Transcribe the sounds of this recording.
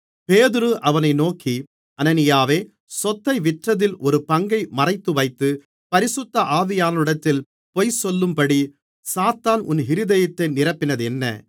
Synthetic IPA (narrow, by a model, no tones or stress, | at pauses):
peːðɪɾɯʔɐʋɐnɐɪnoːkːi | ɐnɐnɪjaːʋeː | sɔt̪ːɐɪʋɪʈrɐðɪlʔɔɾɯpɐŋɡɐɪmɐrɐɪt̪ːɯʋɐɪt̪ːɯ | pɐɾɪsʊt̪ːɐʔaːʋɪjaːnɐɯɽɐt̪ːɪl | pɔjsɔlːɯmpɐɽi | saːt̪ːaːnʔʊnɦɪɾɯðɐjɐt̪ːɐɪnɪɾɐpːɪnɐðɛnːɐ̰